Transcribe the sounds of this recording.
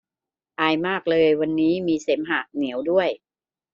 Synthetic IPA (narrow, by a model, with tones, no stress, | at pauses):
ʔaː˧jmaː˥˩k̚lɤː˧jwa˧nːiː˦˥miː˧se˩˦mɦaː˨˩k̚ni˩˦əwdu˥˩əj